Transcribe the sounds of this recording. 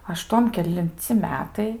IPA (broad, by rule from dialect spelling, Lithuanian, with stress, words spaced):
ɐˈʃtuɔm kʲɛlʲɪnʲˈt͡sʲɪ ˈmʲæːtɐɪ